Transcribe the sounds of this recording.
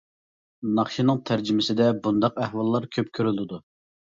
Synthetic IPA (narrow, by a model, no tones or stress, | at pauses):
nɑχʃinɨŋt̪ʰæɾd͡ʒimɪsɪd̪ɛbund̪ɑq̚æhwɑlˠːɑɾkʲʰøpkʲʰøɾylɪd̪u